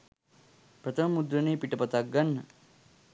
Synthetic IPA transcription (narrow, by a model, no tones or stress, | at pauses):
pɾɐt̪ʰəmɐmud̪ɾɐneːpiʈɐpɐt̪ak̚ɡɐnːə